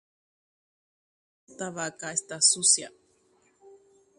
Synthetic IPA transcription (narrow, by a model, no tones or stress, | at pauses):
t̪aβakaest̪asusja